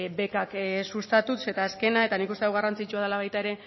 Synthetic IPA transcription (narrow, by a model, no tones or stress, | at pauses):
βe̞kaksust̪at̪use̞t̪aeske̞nae̞t̪anikust̪e̞wɣarant͡sit͡ʃuað̞elaβ̞ajt̪aeɾe̞